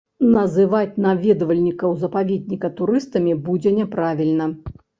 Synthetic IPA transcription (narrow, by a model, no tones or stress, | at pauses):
nɐzɨvat͡sʲnavʲeɛd̪ɐvɐlʲnʲikɐwzɐpavʲed̪ʲnʲikɐt̪uɾɨst̪ɐmʲibud͡zʲɛnʲɛpɾavʲilʲnɐ